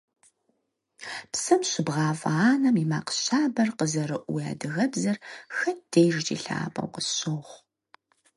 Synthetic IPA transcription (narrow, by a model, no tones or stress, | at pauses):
psɨmɕɪbʁɑːfɐaːnɐmima̰ːqə̥ɕaːbɐrqəzɐɾɨʔʷuja̰ːdɨɣɐbzɐrxɐt̚ʰd̥ejʒt͡ʃʼḭːɬa̰ːpʼɐ̰wqəɕoːʁʷ